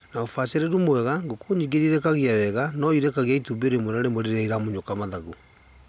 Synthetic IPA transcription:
naofaseɾeɾumwɛɣaŋɡokoɲiɡeɾiɾɛkaɣiawɛɣanɔiɾɛkaɣiaitubeɾemwɛɾaɾemoɾeɾaiɾamoɲokamaðaɣu

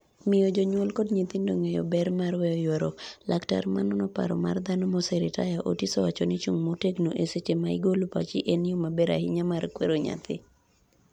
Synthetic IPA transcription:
mɪjod͡ʒɔɲwɔlkɔdɲit̪indoŋejɔ̰bɛrmarwɛɔjwɛɾolakta̰rmanɔnɔpa̰ɾɔma̰rd̪anomosɛɾɪta̰jaʔotisɔwat͡ʃɔnɪt͡ʃuŋmoteɡnoʔeset͡ʃemaɪ̰ɡolopa̰t͡ʃɪʔenjomabeɾa̰hɪɲamarkwḛɾoɲa̰t̪ɪ̰

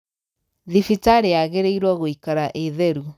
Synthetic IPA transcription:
ðifitaɾeaɣeɾeiɾwaɣoikaɾaʔeðɛɾu

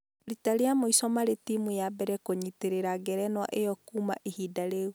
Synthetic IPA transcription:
ɾitaɾeamoisɔmaɾetimujabɛɾɛkoɲiteɾeɾaɡɛɾɛnwa̰ʔejɔkuma̰ʔihidaɾeu

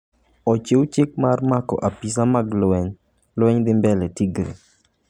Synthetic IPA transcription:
ɔt͡ʃewt͡ʃɪk̚marmakɔ̰ʔapis̬amaɡlwɛɲ | lwɛɲd̪ɪmbɛlɛtiɡɾḭ

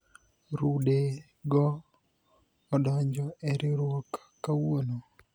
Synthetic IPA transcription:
ɾude | ɡɔ | dɔɲd͡ʒɔʔɛɾɪɾwɔkḁkːawono

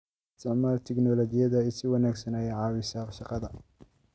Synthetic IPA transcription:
ɪst̪ʰɪʕmaːlt̪ʰɪɡnɔlɔt͡ʃɪjɐðɐɪsɪwɑnaːɡsɐnajɛʕɑːwɪsɐʃɑqɑðɐ

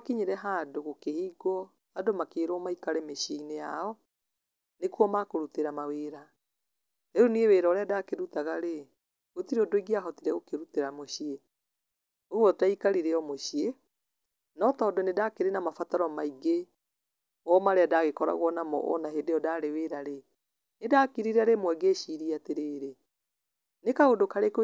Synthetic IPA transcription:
akiɲeɾɛɦaːdoɣokehiːɡɔ | adomakeːɾwɔmaikaɾɛmeɕieinejaɔ | nekuɔmakoɾuteɾamaweːɾa | ɾeɾonieweːɾɔɾeadakeɾutaɣaɾe | ɣotiɾeɔdoiɡiaɦɔtiɾɛɣokeɾuteɾamoɕie | ouwɔtaikaɾiɾeɔmoʃie | nɔtɔːdɔnedakeɾenamafataɾɔmaiɡe | wɔmaɾeadaɣekɔɾa̰ɣwɔnamɔ̰ʔɔ̰naɦedeɔdaɾeweɾaɾe | nedaːkiɾiɾaɾemwɛɡeʃiɾiateɾeːɾe | nekaodokaɾek

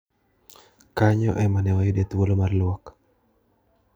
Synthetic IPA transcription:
kaɲɔ̰ʔɛmanɛwajodet̪wolomarlwɔk

